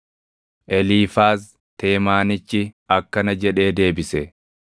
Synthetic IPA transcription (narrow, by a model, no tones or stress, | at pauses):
ʔɛliːfaːs | t̪e̞ːmaːnɪt͡ʃːɪɐkːɐnɐd͡ʒɛᶑe̞ːd̪e̞ːbɪsɛ